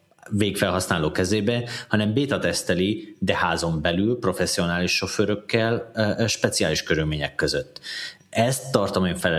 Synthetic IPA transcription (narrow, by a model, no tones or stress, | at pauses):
veːkfɛlɦɒsnaːloːkɛzeːbɛhɒnɛmbeːt̪ɒt̪ɛst̪ɛlid̪ɛhaːzo̞mbɛlylpro̞fɛsːio̞naːliʃːo̞føːɾøkːɛlʃpɛt̪sijaːliʃkøɾylmeːɲɛkːøzøt̪ː | ɛst̪ːɒrt̪omeːɱfɛlɛ